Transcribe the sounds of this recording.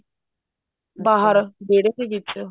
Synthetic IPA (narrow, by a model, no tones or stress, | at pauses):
baːɦəɾbeːɽekeɡit͡ʃ